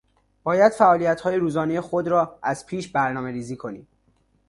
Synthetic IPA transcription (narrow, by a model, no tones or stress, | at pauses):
b̥ɒːjæd̪̥fæʔɒːlijæt̪hɒːjeɾuːzɒːnejexod̪ɾɒːæz̥pʰiːʃbæɾnɒːme̞ɾiːziːkʰo̞niːm